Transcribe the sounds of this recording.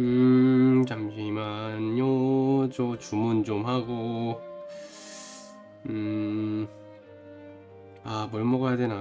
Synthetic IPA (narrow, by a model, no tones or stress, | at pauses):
ɯ | t͡ɕamɕʰimanjot͡ɕot͡ɕumunt͡ɕomhaɡo | ɯ | apoɭmoɡɯjadena